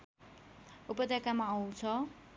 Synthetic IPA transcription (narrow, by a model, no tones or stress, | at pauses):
upʌd̪akamaːw̃t͡sʰʌ